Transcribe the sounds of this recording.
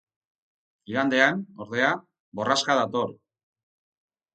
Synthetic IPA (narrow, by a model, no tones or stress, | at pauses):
iðand̪e̞ano̞ɾðe̞a | bo̞raskaðat̪o̞r